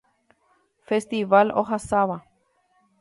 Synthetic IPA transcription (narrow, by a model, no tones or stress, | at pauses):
fest̪iʋalo̰ɦasaβa